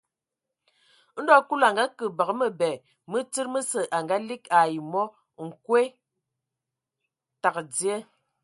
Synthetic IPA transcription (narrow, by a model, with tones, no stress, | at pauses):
n̩˦dɔ˦ku˦la˨ŋɡa˦kə˨ba˨ɣə˦mə˨bɛ˨ | mə˦t͡si˦ɾmə˦sə˨ʔa˨ŋɡa˦li˦ka˨ji˨mɔ˦ | ŋ̩˨kwe˦ | ta˨kd͡zje˦